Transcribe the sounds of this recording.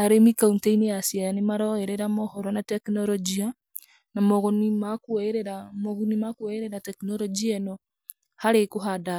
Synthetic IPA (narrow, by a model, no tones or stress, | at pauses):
aɾemikauntainejasiajanemaɾɔɛɾɛɾamɔhɔɾɔnatɛknɔɾɔd͡ʒia | namɔɣɔnimakɛɾɛɾamɔɣunimakwɛeɾɛɾatɛknɔɾɔd͡ʒiɛnɔ | haɾekoɦada